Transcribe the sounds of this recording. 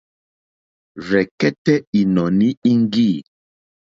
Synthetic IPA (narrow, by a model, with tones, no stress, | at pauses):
vɛ˨kɛ˦tɛ˦i˨nɔ˨ni˦i˦ŋ˦ɡi˦˨